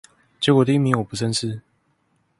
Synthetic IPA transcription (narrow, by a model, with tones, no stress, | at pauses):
t͡ɕɛ˧˥kwɔ˨˩d̪ə˧˦i˥˩mi˧˦ŋwɔ˨˩pu˧˦sʰə˥˦nʂɻ̩˥˩